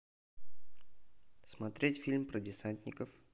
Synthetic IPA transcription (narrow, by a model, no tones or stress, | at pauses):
smɐt̪ɾʲetʲfʲilʲmpɾədʲɪsanʲt̪ʲnʲɪkəf